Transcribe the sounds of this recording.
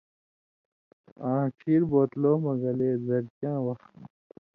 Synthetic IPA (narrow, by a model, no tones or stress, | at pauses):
ãːkʰiːɾboːt̪loːmɐɡɐleːzɐɾt͡ɕãːwɐx